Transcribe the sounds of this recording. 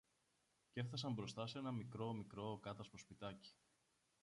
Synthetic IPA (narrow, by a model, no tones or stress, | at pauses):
ce̞fθɐs̬ɐmbɾo̞st̪ɐse̞nɐmikɾo̞mikɾo̞kɐt̪ɐspo̞spit̪ɐci̥